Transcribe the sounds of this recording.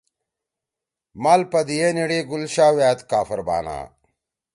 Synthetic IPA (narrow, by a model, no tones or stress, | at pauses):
maːlpɐd̪ijeniɽeːɡulɕaːwjaːt̪kaːfɐɾba̰ːna̰ː